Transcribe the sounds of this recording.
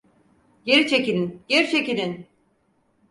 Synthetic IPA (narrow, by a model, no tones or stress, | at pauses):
je̞ɾit͡ʃʰe̞cilʲinjeɾt͡ʃʰe̞cilʲin